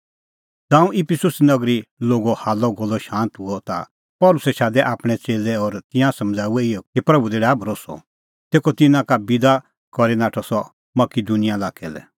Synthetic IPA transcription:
d͡zãːũʔɪpʰɪsʊsnɐɡɾiloːɡɔhaːlɔɡɔlːɔʃãːnt̪ɦʊɔt̪a̰ | pɔːlʊsɛʃaːd̪ɛʔaːpɽ̃ɛt͡seːlɛɔɾt̪ɪ̃jãsɐ̃md͡zaːuɛɪjɔkipɾɐbud̪eːɽɛabɾosɔ̰ | t̪eːkɔt̪ɪnãkabɪd̪a | kɔɾinaːʈʰɔsɔ | mɐkid̪unɪjalaːkɛlɛ̰

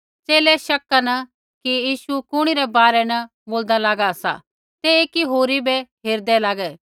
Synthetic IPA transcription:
t͡ʃeːlɛʃɐkːanɐ | kijiːʃukʊɽ̃iɾɛbaːɾɛnɐ | boːld̪alaːɡaɐsa̰ | t̪eeːkiɦoːɾibɛɦeːɾd̪ɛlaːɡɛː

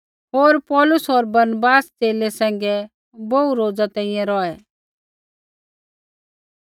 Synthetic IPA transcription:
ɦoːɾpɔːlʊsɔːɾbɐɾnəbaːst͡seːlɛsɛ̃ːŋ̆ɡɛ | bouɾoːd͡zat̪ɛ̃ĩjɛ̃ɾɔːɛ

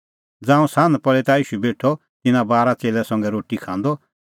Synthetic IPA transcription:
d͡zãːũsãːnd̪pɐɭɛt̪aiːʃubeːʈʰɔ | t̪ɪnãbaːɾat͡seːlɛsɐ̃ŋɡɛɾoːʈikʰãːnd̪ɔ

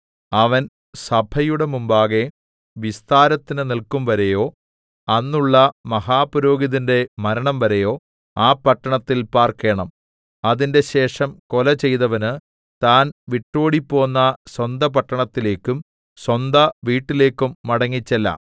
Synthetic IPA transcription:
ɐʋɐn | sɐbʱʰɐjuɽemumbaːɣe̞ | ʋist̪aːɾɐt̪ːinɨnilkumʋɐɾɐjo̞ː | ɐnːuɭːɐmɐɦaːpɐɾo̞ːɡiðinde̞mɐɾɐɳɐmʋɐɾɐjo̞ː | aːpɐʈːɐɳɐt̪ːilpaːrke̞ːɳɐm | ɐðinde̞ɕe̞ːʂɐmko̞lɐt͡ɕe̞jðɐʋɐnɨ | t̪aːnʋiʈːo̞ːɽipːo̞ːnːɐswɐnd̪ɐpɐʈːɐɳɐt̪ːile̞ːkːum | swɐnd̪ɐʋiːʈːile̞ːkːumːɐɽɐŋːit͡ɕːɐlːɐ̰

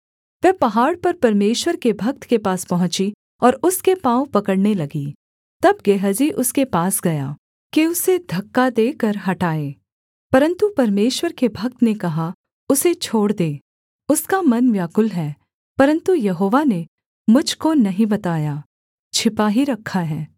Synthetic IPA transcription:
ʋɛːpɐɦaːɽpɐɾpɐɾmeːʃwəɾkebʱɐk̚t̪kepaːspɐɦʊ̃t͡ʃi | ɔːɾʊskepãːõpɐkəɽnelɐɡi | t̪ɐb̚ɡeɦəd͡ʒiʔʊskepaːsɡɐjaː | kiʊsed̪ʱɐkːad̪eːkɐɾɦɐʈaːeː | pɐɾə̃nt̪upɐɾmeːʃwəɾkebʱɐk̚t̪nekɐɦa | ʊset͡ʃʰoːɽd̪eː | ʊskamɐnʋjaːkʊlɦɛː | pɐɾə̃nt̪ujɐɦoːʋane | mʊd͡ʒʱkonɐɦĩbɐt̪aːjaː | t͡ʃʰɪpaːɦiɾɐkʰːaɦɛː

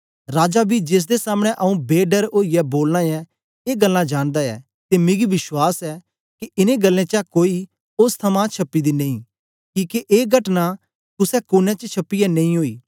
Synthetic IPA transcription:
ɾaːd͡ʒabʱid͡ʒeːs̬d̪esaːməɽ̃ɛ̃ʔɐũbeːɖəɾoːijɛboːlnaɛ | eːɡɐlːãd͡ʒaːɽ̃d̪aɛ̰ː | t̪emẽɡiʋɪʃwaːsɛ | kiɪnẽɡɐlːẽt͡ʃakoːi | ʊst̪ʰɐmãt͡ʃʰɐpːid̪inɐ̃ĩː | kiːkeʔeːɡʱɐʈna | t̪ʊsɛkʊnɛ̃t͡ʃət͡ʃʰɐpːijɛnɐ̃ĩɦoːḭː

